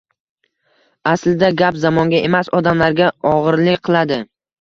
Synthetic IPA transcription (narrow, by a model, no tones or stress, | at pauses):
aslɪd̪aɡʲapzamɒŋɡʲaʔe̞masɒd̪amlaɾɡʲaɒʁɨɾlɪkʲqʰɨlˠad̪ɪ